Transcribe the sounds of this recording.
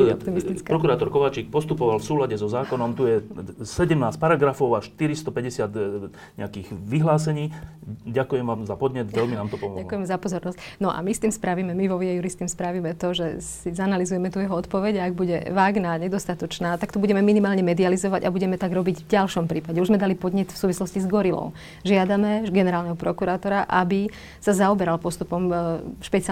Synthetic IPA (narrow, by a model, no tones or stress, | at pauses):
ɔ̰pt̪imist̪it͡skpɾɔkuɾaːt̪ɔɾkɔʋaːt͡ʃiːk̚pɔst̪upɔʋalfsuːlaɟɛzɔzaːkɔnɔmt̪ujɛsɛɟɛmnaːsc̚paɾaɡɾafɔʊaʃt̪iɾist̪ɔpɛɟɛsɪad̪ | ɲɛ̰akiːɣʋiɦlaːsɛɲiː | ɟakujɛmʋaːmzapɔd̪ɲɛd̪ʋɛlminaːmt̪ɔpɔmɔ̰alɔkujɛmɛzapɔzɔɾnɔscnɔʔa̰mist̪iːmspɾaʋimɛmiʋɔʋɪɛjuɾist̪imspɾaʋimɛt̪ɔʒɛsizanalizujɛmɛt̪ujɛɦɔɔt̪pɔʋɛɟaɡ̚buɟɛ̰ʋaːɡnaɲɛd̪ɔst̪at̪ɔt͡ʃnaːt̪akt̪ɔbuɟɛmɛminimaːlɲɛmɛd̪ializɔʋaɟabuɟɛmɛt̪aɡɾɔbiɟvɟalʃɔmpɾiːpaɟɛuʒzmɛd̪alipɔd̪ɲɛt̪fsuːʋislɔscizɡɔɾilɔ̰ʊ | ʒɪad̪amɛɡɛnɛɾaːlnɛɦɔpɾɔkuɾaːt̪ɔɾaʔabi | sazaɔbɛɾalpɔst̪upɔmʃpɛt͡si